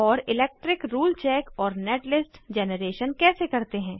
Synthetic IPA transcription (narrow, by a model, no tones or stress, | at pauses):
ɔːɾɪlɛːk̚ʈɾɪkɾuːlt͡ʃɛːkɔːɾneːʈlɪsʈd͡ʒɛːnəɾeːʃənkɛːsekɐɾt̪eɦɛ̃ː